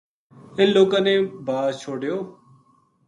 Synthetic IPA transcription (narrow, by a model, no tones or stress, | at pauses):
ɪnloːkãːnẽːbʱaːt͡ʃʰoːɖjoː